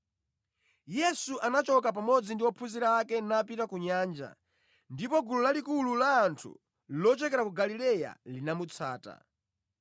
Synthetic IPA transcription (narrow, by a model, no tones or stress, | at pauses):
jɛsuʔanat͡ʃɔkap̬amɔd͡zindiwɔpʰuziɾaːkɛnapitakuɲaːnd͡ʒa̰ | ndipɔɡululalikululaːntʰṵ | lɔt͡ʃɛkɛɾakuɡalilɛja̰linamut͡sʰa̰ːta̰